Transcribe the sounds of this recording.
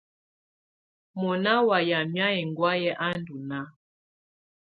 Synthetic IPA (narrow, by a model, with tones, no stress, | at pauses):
mɔ˨na˦wa˨ja˨mja˦ɛ˨ŋɡwa˦jɛ˦ʔa˦ndu˨na˦